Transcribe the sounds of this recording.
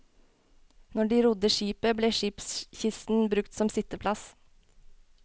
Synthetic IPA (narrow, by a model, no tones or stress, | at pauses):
nɔɖiːɾʊd̪əʃiːpəbleːʃiːpsçɪst̪n̩bɾʉkt̪sɔmsɪt̪əpʰlɑs